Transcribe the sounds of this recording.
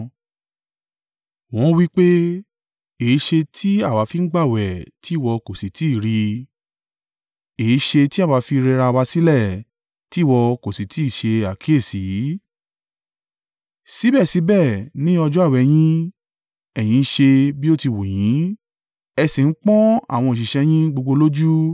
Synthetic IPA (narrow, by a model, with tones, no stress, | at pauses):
w̃ɔ̃˦wi˦k͡pe˦ | e˨i˨˦ʃe˧tʰi˦a˦˨wa˨˧˦fi˧n̩˦ɡ͡ba˦˨wɛ˨ti˨˦˨wɔ˧ko˨si˨˦ti˨˦˨ɾi˧ | e˨i˨˦ʃe˧ti˦a˦˨wa˨˧˦fi˧ɾe˧ɾa˧wa˧si˦lɛ˦˨ | ti˨˦˨wɔ˧ko˨si˨˦ti˨˦i˦˨ʃe˧a˨kʰi˨˦e˦˨si˨˦ | si˨˦bɛ˦˨si˨˦bɛ˦˨nĩ˨˦ɔ˧d͡ʒɔ˦a˦˨wɛ˨j̃ĩ˦ | ɛ˨j̃ĩ˨˦ʃe˧bi˦o˦ti˧wo˨j̃ĩ˨˦ | ɛ˧si˨n̩˦k͡pɔ̃˦a̰˦˨w̃ɔ̃˧i˨ʃi˨ʃɛ˧j̃ĩ˦ɡ͡bo˧ɡ͡bo˧lo˦d͡ʒu˦